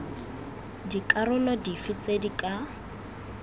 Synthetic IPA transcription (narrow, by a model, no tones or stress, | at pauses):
dikʼarʊlɔdifɪt͡sedikʼa